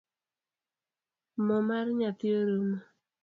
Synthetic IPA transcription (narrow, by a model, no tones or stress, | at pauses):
mɔmarɲat̪ɪoɾuma